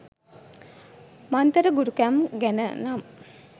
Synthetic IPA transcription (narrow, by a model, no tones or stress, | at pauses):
mant̪əɾəɡuɾukæmɡænənamə